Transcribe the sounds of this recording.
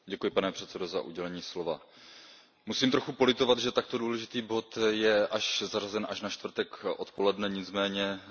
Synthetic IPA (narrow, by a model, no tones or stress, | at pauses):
ɟɛkujɪpanɛpr̝̥ɛt̪t͡sɛdozaʔṵɟɛlɛɲiːslo̞va | musiːmt̪ɾoxupo̞lɪt̪o̞vad̪ʒɛt̪akt̪o̞duːlɛʒɪt̪iːbo̞t̪jɛʔaʃzarazɛnʔaʃnaʃt̪vr̩t̪ɛkʔo̞t̪po̞lɛdnɛɲɪt͡smɛːɲɛ